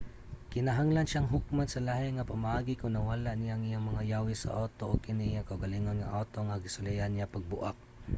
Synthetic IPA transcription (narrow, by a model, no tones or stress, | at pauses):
kɪnaɦaŋlanʃaŋɦʊk̚mansalahɪŋapamaʔaːɡɪkʊŋnawalaʔnijaŋijaŋmɐŋajawɪsa̰ʔot̪oʔokɪnɪjaŋkaʔʊɡaliŋonŋa̰ʔat̪oŋaɡɪsʊlɛjanːjapaɡ̚bʊʔak̚